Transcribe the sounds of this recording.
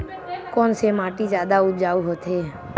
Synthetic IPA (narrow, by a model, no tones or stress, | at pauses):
kɔːnsemaːʈid͡ʒjaːd̪aʊt̪d͡ʒaːuɦot̪ʰeː